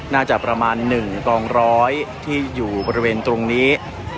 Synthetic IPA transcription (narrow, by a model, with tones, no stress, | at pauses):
naː˥˩t͡ɕa˨˩ʔ̚pɾa˧maː˧nːɯ˨˩ŋkɔː˧ŋɾɔː˦˥jt̪ʰiː˥˩juː˨˩bɔː˧ɾi˧weː˧nt̪ɾo˧ŋniː˦˥